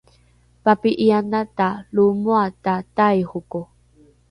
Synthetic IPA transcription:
papiʔianatalumuatatajhuku

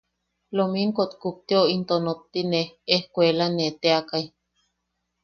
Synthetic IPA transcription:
lomiŋkot̪kuk̚t̪ioint̪onot̪ːineehkʷelanet̪eakaj

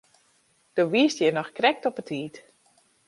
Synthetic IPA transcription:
d̥oʋiəstjɛnɔxkrɛk̚tɔpətʰiːt

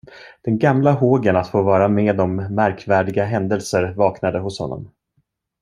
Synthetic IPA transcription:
d̪̥ɛnɡamlaɦoːɡənat̪foːvɑːɾameːd̪ɔmːæɾkʰvæːɖɪɡaɦɛnd̪əlsəɾvɑːknad̪əɦʊshɔ̰nːɔ̰m

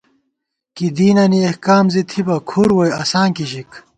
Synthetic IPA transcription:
kid̪iːnɐniehkaːmzit̪ʰibɐkʰuɾwojɐsaːŋkiɕik

